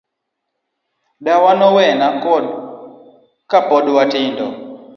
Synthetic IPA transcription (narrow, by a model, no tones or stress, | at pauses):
ɗawanɔwɛnakɔɗ | kapɔɗwatɪndɔ